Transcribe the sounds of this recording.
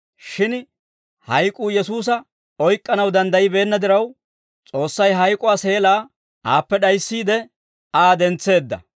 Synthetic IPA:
ʃɪn | hɐjkʼuːjɛsuːs̬ɐ | ɔjkʼːɐnɐwd̪ɐnd̪ɐjɪbe̞ːnːɐd̪ɪɾɐw | t͡sʼo̞ːsːɐjɦɐjkʼʊaːse̞ːlaː | ʔaːpːɛɗɐjsːiːd̪ɛ | aːd̪ɛnt͡sːe̞ːd̪ːɐ̰

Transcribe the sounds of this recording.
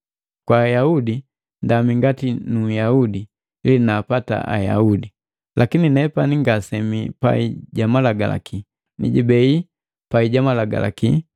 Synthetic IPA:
kwaːjaudi | ndamiŋɡatinujaudi | linaːpata̰ʔa̰ja̰udi | lʔakininɛpaniŋɡasɛmipa̰iɟamalaɡala̰ki | nḭɟibɛi | paiɟamalaɡa̰la̰ki

